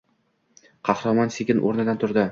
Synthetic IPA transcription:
qʰɑhɾɑmɒnsekʲɪnʔo̰ɾnɪd̪ant̪ʰʊɾd̪ɪ

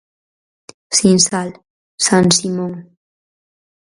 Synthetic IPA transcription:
sinsal | sansimoŋ

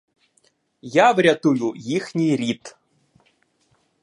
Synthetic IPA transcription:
javɾʲat̪ujujixnʲijɾʲit̪

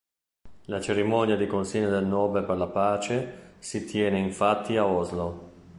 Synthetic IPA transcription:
lat͡ʃeɾimɔnjad̪ikonsiɲːod̪elnɔːbelperlapaːt͡ʃesit̪jɛːneiɱfat̪ʰːiaɔzlo

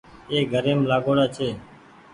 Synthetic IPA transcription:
eːɡʱəɾeːmlaːɡoːɽaːt͡ʃʰeː

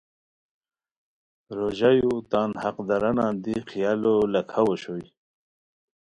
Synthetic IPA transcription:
ɾoʑajut̪aːnhaqd̪aɾanaːnd̪ixijalolakʰawoɕoj

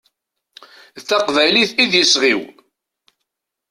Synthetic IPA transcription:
θæqvæjliθiðjəsʁiw

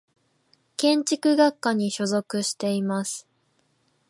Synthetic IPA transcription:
kẽ̞ɲt͡ɕikɯ̟ɡakːaɲ̟iɕo̞zo̞kɯ̟ɕi̥t̪e̞imasɨ̥

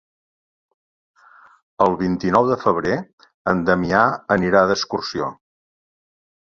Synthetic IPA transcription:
əlˠβint̪inɔwðəfəβ̞ɾe | ənd̪əmiaəniɾaðəskursio

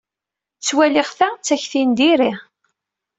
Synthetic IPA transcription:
t͡sːwælɪʁθæt͡sːæçθind̪iɾi

